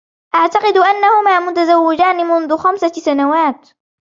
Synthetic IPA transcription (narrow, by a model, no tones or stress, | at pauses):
ʔaʕt̪ɑqɨd̪ʔanːahʊmaːmʊt̪azawːɪd͡ʒaːnɪmʊnðʊxamsasanawaːt̪